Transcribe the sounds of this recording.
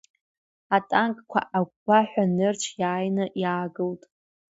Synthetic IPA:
atʼaŋkʼkʷʰa̰ʔaɡʷbaħʷᶣanɨrt͡ʃʷʰjaːjnɨʔjaːɡɨltʼ

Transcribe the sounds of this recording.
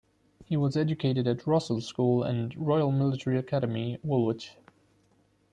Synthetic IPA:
hiwʌzɛd͡ʒɨkʰeɪɾɨɾɨtʰɹʌsl̩ˠskulˠə̰̃nɹɔɪəl̩ˠmɪlətʰəɹiɨkʰæɾəmiwʊlˠwɪt͡ʃ

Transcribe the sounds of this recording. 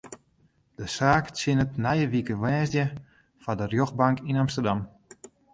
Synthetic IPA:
d̥əsaːksɪnətnɛjəʋikəʋɛːzdjə | fadərjoxbaŋkinɑmstərdɑm

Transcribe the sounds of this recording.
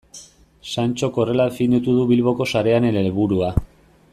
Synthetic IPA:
sant͡ʃo̞ko̞re̞laðe̞find̪it̪uðuβilβo̞ko̞saɾe̞anenelβuɾua

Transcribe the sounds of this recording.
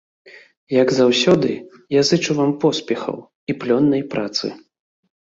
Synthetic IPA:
jɐɡzawsʲɔd̪ɨ | jazɨt͡ʂuvampɔspʲɛxɐ̰w | iplʲɔnːɐjpɾʔat̪sɨ̰

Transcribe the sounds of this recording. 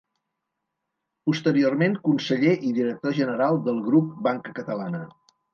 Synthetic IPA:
pust̪əɾiormeŋkunsəʎeʔiðiɾək̚t̪oʒənəɾalˠd̪əlˠɣɾup̚baŋkəkət̪əlanə

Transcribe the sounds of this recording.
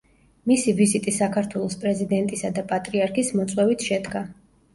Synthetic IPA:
misivizit̪ʼisakʰaɾt̪ʰwɛlˠɔspʼɾɛzid̪ɛnt̪ʼisad̪apʼat̪ʼɾiaɾkʰismɔt̪sʼwɛvit̪ʰʃɛd̪ɡa

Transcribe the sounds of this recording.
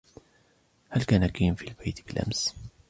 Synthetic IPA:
halkaːnakiːmfiːlbajt̪bɪlʔa̰ms

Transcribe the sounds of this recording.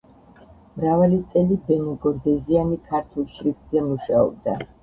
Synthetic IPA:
mɾavalit̪sʼɛlibɛnuɡɔɾd̪ɛzianikʰaɾt̪ʰulˠʃɾikzɛmuʃaɔ̰b̚d̪a

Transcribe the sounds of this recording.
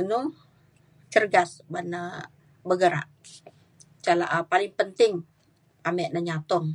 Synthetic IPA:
nu | t͡ʃərɡasbanə | bəɡəɾa̰ʔ | t͡ʃala̰ʔpalɪŋpənt̪ɪŋ | amɛʔnəɲat̪ɔŋ

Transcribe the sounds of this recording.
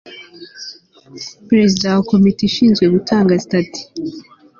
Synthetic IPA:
pɾe̞zidawako̞mitiʃiːnzɡwe̞ɡutʰaːŋɡazitati̥

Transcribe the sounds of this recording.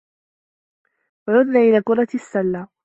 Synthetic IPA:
ʕʊðnaːʔɪlaːkʊɾˤɑt̪sːalːaː

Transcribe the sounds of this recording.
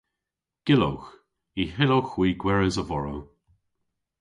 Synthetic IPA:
ɡ̥ɪlo̰wx | iɦɪlowxwiːɡwɛɹəzəvɔɹow

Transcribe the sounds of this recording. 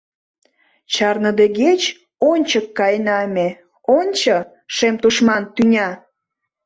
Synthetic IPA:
t͡ɕɑrnə̆d̪eɡet͡ɕ | onʲt͡ɕəkːɑjnɑmʲe | onʲt͡ɕɤ | ʃemt̪uʃmɑnt̪ynʲɑ

